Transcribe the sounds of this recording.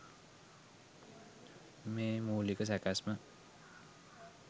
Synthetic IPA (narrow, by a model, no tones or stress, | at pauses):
memulikos̬akasma